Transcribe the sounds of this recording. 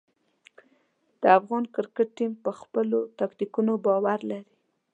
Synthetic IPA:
d̪̥əafɣɑnkɪɾkɪʈ̚ːimpəxpəlot̪akt̪ikunobɑwaɾlaɾi

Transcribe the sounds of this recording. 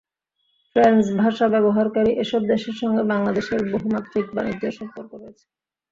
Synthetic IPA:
fɾansbʱaʃabɛboɦaɾkaɾiʔeʃɔb̚d̪eʃeɾʃɔŋɡebaŋlad̪eʃeɾboɦumat̪ːɾik̚ba̰nid͡ʑeɾʃɔmpoɾkoɾojet͡ɕʰe̥

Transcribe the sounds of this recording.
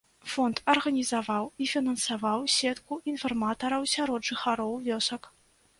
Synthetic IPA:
fɔnt̪ɐrɣɐnʲizavawifʲinɐnsavawsʲɛt̪kuinfɐrmat̪ɐɾɐwsʲaɾɔd̪ʐɨxaɾɔwvʲɔsɐk

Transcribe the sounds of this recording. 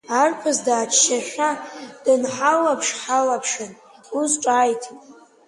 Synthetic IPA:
arpʷʰazdaːt͡ʃʰʃaʃᶣʷad̥ɨnħalapʰʂħalapʰʂɨn | uzʈ͡ʂʼaːjtʰʼ

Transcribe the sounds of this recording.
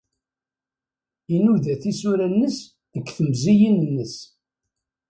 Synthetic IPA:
inuðæθisuɾænːəs | ðəkʷːθəmzijinənːəs

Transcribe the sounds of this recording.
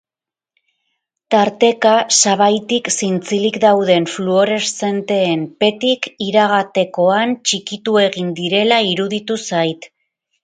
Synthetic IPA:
t̪aɾt̪e̞kasaβajt̪iksint͡silikd̪awðe̞nfluoɾe̞sse̞nt̪e̞ːmpe̞t̪ikiɾaɣat̪e̞ko̞ant͡ʃikit̪ue̞ɣind̪iɾe̞laiɾuðit̪usajt̪

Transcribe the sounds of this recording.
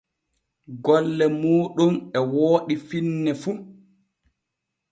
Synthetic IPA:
ɡɔlːɛmuːɗumɛwoːɗifinːɛfu

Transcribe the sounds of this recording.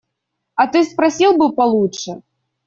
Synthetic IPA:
ɐt̪ɨspɾɐsʲilˠbɨpɐlˠutʂɛ

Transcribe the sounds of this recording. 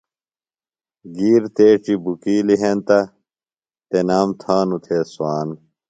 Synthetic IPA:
ɡiːɾt̪eːʈ͡ʂibukiːliɦent̪ɐ | t̪enaːmt̪ʰaːnut̪ʰeːswaːn

